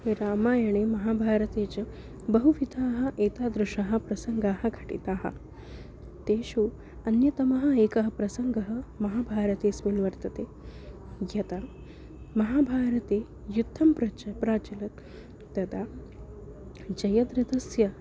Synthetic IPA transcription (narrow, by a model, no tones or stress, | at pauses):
eɾaːmaːjɐɳ̃emɐɦaːbʱaːɾɐt̪eːt͡ɕɐ | bɐɦuʋit̪ʰaːɦɐ̆ʔeːt̪aːd̪ɾuʂɐɦɐ̆pɾɐsɐŋɡaːɦɐɡʱɐʈḭt̪aːɦɐ̰ | t̪eːʃuː | ɐnjɐt̪ɐmɐɦɐ̆eːkɐɦɐpɾɐsɐŋɡɐɦɐmɐɦaːbʱaːɾɐt̪eːsʋinʋɐɾt̪ɐt̪e | jɐt̪a | mɐɦaːbʱaːɾɐt̪eː | jut̪ʰːɐmpɾɐt͡ʃpɾaːt͡ʃɐlɐt̪ː | ɐd̪a | d͡ʒɐjɐd̪ɾɐt̪ɐsjɐ